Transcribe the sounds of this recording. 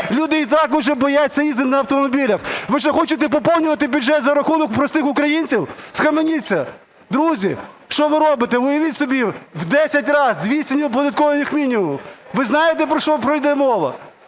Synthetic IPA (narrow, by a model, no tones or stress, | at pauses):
lʲud̪ɪit̪ɑkʊʒɛbɔjat͡sʲːɐizt̪ɪnɐɐwt̪ɔmɔbʲilʲɐxʋɪʒɛxɔt͡ʃɪt̪̬ɛp̬ɔpɔwˠnʲʊʋɐt̪ɪbʲʊdd͡ʒɛt̪zɐɾɐxunɔkpɾɔst̪ɪxʊkɾɐjinʲt͡sʲiwsxɐmenʲit͡sʲːɐ | d̪ɾuzʲi | ʃt͡ʃɔʋɪɾɔbɪt̪ɛʋɔjɐʋʲitʲsɔbʲiwd̪ɛsʲɐtʲrɑzd̪ʲʋʲisʲtʲɪnʲip̬ɔd̪ɐt̪̚kɔʋɐnʲɪxmʲinʲimʊʋɪznɑjet̪ɛpɾɔʃt͡ʃɔpɾɔjd̪ɛmɔʋˠɐ̰